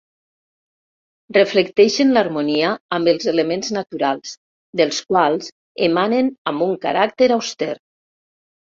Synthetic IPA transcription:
rəflekt̪ɛʃenlaɾmuniaːmbəlˠzelemenznat̪uɾalˠs | d̪əlˠskwalˠz | emanenambuŋka̰ɾak̚t̪eɾawst̪ɛɾ

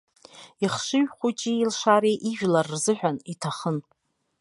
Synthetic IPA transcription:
iχʂɨɥᶣχʷut͡ʃʼiilʂaɾeʔiʒᶣlarːzɨħᶣanitʰaχən

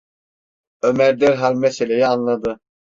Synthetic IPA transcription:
ømæɾd̪æɾɦalʲmɛselʲejianlˠad̪ɯ

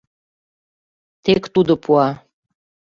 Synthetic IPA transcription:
t̪ekt̪ud̪opʰuɑ

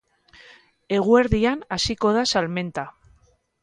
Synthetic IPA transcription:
e̞ɣ̞ue̞ɾðianasiko̞ð̞asalme̞nt̪a

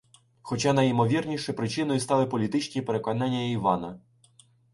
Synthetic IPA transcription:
xɔt͡ʃɑnɐjimɔʋʲirnʲiʃɛpɾɪt͡ʃɪnɔjʊst̪ɑlˠɪpɔlʲit̪ɪt͡ʃnʲipeɾe̞kɔnɑnʲːɐiʋɑnɐ

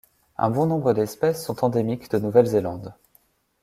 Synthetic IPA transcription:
ɛ̰̃bɔ̃nɔ̃bʁəd̪ɛspɛsːɔ̃t̪ɑ̃d̪emikd̪ənuvɛlzelɑ̃d̪

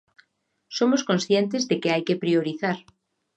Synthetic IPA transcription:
somoskõnsθjent̪ezðekeajkepɾioɾiθaɾ

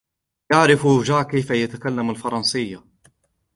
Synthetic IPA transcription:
jaʕɾɪfuʒaʕkajfajat̪akalːamalfɑɾˤɑnsɪjːa

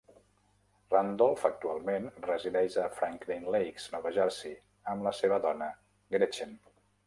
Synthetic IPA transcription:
rand̪ɔlˠfək̚t̪ualˠmenrəziðɛʒəfɾaŋklinlejkz̥nɔβəʒɛɾsi | əmləseβəðɔnə | ɡɾet͡ʃen

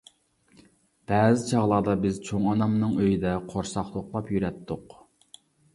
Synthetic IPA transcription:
b̥ɛːzɪt͡ʃʰɑʁlˠɑɾd̪ɑbɪz̥t͡ʃʰoŋɑnɑmnɨŋøjid̪ɛqʰoɾsɑχlˠʊχlˠɑpjyɾɛt̪ʰːʊq

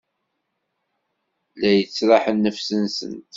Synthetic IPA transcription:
læjət͡sːɾˤɑħənːəfsənsə̰nt̪

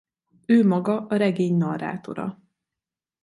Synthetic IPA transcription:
øːmɒɡɒʔɒɾɛɡeːɲnɒra̰ːt̪o̞̰ɾɒ̰

